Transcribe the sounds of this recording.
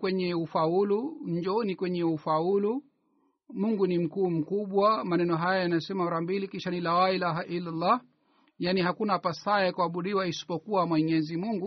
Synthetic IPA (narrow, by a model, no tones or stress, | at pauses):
kwɛɲɛufauluɲd͡ʒɔnikwɛɲɛufaulu | muŋɡunim̩kuːm̩kuɓwamanɛnɔɦajajanajɔsɛmaɔɾambilikiʃanilawailaɦaʔilːalːa | janihakunapasaɛkuaɓuɗiwaisi̥pɔkuwamwɛɲɛzimuŋɡu